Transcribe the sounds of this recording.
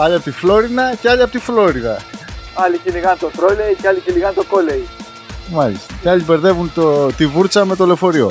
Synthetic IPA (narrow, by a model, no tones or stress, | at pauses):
ɐʎiɐpt̪iflo̞ɾinɐceɐʎiɐpot̪iflo̞ɾiðɐɐliciliɣɐnt̪oθɾoleiceɐliciliɣɐnt̪okolei | mɐlist̪ɐceɐʎibe̞ɾðe̞vunt̪ot̪ivuɾt͡sɐme̞t̪o̞le̞fo̞ɾio̞̰